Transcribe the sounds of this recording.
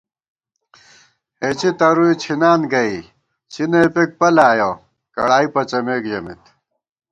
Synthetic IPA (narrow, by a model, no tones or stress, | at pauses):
et͡ɕit̪ɐɾuit͡ɕʰinaːnɡɐi | t͡ɕʰineːpek̚pɐlaːjoː | kɐ̰ɽaːipɐt͡ɕɐmeːkd͡ʑɐmḭt̪